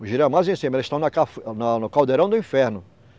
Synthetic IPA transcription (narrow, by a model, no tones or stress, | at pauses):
ʊʒiɾɛ̃majzẽsẽmelɪʃt̪ɐ̃w̃nɐkafnɐnʊkawd̪eɾɐ̃w̃d̪ʊĩfɛɾnʊ